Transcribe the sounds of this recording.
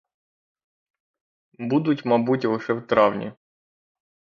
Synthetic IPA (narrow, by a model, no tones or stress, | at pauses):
bud̪ʊtʲmɐbutʲlˠɪʃɛwt̪ɾɑwnʲḭ